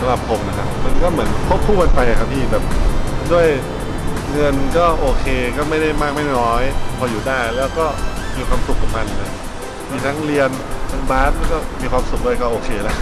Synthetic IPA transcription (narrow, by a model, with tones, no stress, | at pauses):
sa˧˥ɾa˨˩p̚pʰo˧mna˦˧kʰa˦˥pma˧nkɔː˥˩mɯ˩˦ənpʰo˦˥p̚kʰːuː˥˩pa˧npa˧jʔa˨˩kʰa˦˥p̚t̪ʰiː˥˩bɛː˨˩p̚du˥˩əj | ŋɤ˧nkɔː˥˩ʔoː˧kʰeː˧kɔː˥˩ma˥˩jda˥˩jmaː˥˩k̚ma˥˩jnɔː˦˥jpʰɔː˧juː˨˩daː˥˩jlɛː˦˥wkɔː˥˩miː˨˧kʰwaː˧msu˨˩k̚ːa˨˩kma˧nlɤː˧˩ | miː˨˩t̪ʰa˦˥ŋɾi˧ən | t̪ʰa˦˥ŋbaː˦˥t̪̚aː˦˥˩kɔː˥˩miː˧kʰwaː˧msu˨˩k̚du˥˩ə˨jkɔː˥˩ʔoː˧kʰeː˧lɛ˦˥